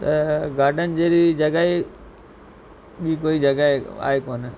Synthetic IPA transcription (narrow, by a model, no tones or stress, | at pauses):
t̪ɐɡʱaːɖənd͡ʒeːɾid͡ʒɐɡaːe | ɓĩːkoːid͡ʒəɡaːea̰ːekoːn